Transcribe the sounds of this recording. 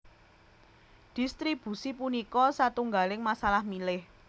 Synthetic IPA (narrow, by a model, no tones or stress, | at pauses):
d̪̥i̤st̪ɾib̥ṳsipunikɔsat̪uŋɡalɪŋmasalahmilɪh